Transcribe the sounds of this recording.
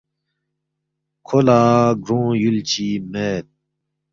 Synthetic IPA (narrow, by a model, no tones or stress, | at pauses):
kʰolaːɡɾõːjult͡ɕimeːt̪̚